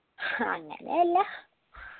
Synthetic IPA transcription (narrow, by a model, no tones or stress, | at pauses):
ha̰ŋa̰nɛla